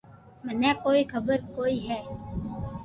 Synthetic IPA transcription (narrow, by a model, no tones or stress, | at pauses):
mənɛ̃ːkoːiːkʰəbəɾkoːiːɦɛː